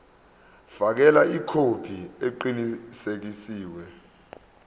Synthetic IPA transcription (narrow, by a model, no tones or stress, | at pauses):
fak̬ɛlaikʰod̥ʱieǃinisek̬isiːwɛ